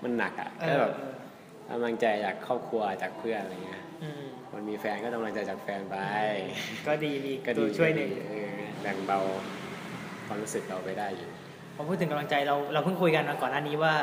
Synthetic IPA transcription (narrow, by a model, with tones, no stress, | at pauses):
mʔa˧nːa˨˩k̚ʔa̰˨˩ʔʰaː˥˧˥bɛː˨˩p̚ː | ka̰˧mla˧ŋt͡ɕa˧jt͡ɕaː˨˩kʰːɔː˥˩p̚kʰɾu˧ɐ˧t͡ɕaː˨˩k̚pʰɯ˥˩əna˧jŋːi˦˥ɐ˧ | kʰo˧nmiː˧fɛː˧nkɔː˥˩ka˧mla˧ŋt͡ɕa˧jt͡ɕaː˨˩k̚fɛː˧npa˧jkɔː˥˩diː˧miː˧˨kɔ˥˩iː˧t͡ɕʰu˥˩əjnɯ˨˩ʔɤː˧bɛ˨˩ŋba˧w | kʰwaː˧mɾu˦˥sɯ˨˩k̚ɾa˧wpa˧jdaː˥˩jʔḭː˨˩ | pʰːmʰpʰu˥˩t̪ʰːɯ˩˦ka˧la˧ŋt͡ɕa˧jɾa˧wɾa˧wpʰɯ˥˩ŋkʰu˧jka˧nmaː˧kɔː˨˩nːaː˥˩niː˦˥waː˥˩